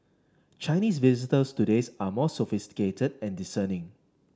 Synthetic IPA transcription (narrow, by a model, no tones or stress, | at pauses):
t͡ʃaɪniːsvizɪtəstudesamɔsɔfɪstɪ̥ketʰədɛ̃ndisənɪ̃ŋ